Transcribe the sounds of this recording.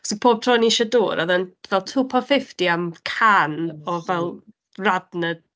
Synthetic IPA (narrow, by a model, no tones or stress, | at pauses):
sipʰoːb̥̚tʰrɔniʃɔdo̰ːɾaðənvɛlˠtʰuːpʰɔnfɪftiamkʰanɔvɛlˠ | radnə